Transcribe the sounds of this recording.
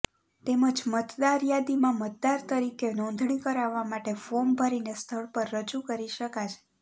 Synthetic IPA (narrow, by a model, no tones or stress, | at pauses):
t̪eməd͡ʒmət̪d̪aɾjad̪imãmət̪̚d̪aɾt̪əɾikenɔ̃nd̪ʱɳikəɾaʋːamaʈefombʱəɾinest̪ʰəɭpəɾːəd͡ʒukəɾiʃəkat͡ʃʰe̥